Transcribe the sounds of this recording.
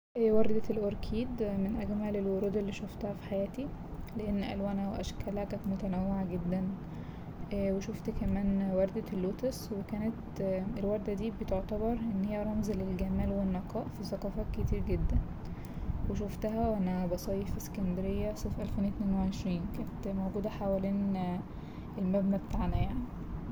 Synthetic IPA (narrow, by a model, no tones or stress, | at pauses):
ʔewɑɾˤd̪æelʔoɾkʰiːd̪menʔæɡmælelwoɾuːd̪elːiːʃoft̪æhæfi̥ħajæːt̪ileʔenːʔæ̰lwæːnæweʔæʃkælækæmot̪ænæwːeʕaɡed̪ːæn | weʃoft̪kæmæːnwɑɾˤd̪ælːoːt̪eswekæːnet̪elwɑɾˤd̪æd̪iːbet̪oʕt̪æbɑɾˤʔenːhejːæɾˤɑmzælelɡæmæːlwenːɑqɑːʔfiθæqɑːfæket̪iːɾɡed̪ːæn | weʃoft̪æɦæwʔænæbɑsˤɑːjefiskænd̪eɾejːæsˤefʔælfeːnʔet̪meːnweeʕeʃɾiːnkæːnet̪mowɡuːd̪æħawæliːn | ʔelmæbnæbet̪aʕnæjaʕni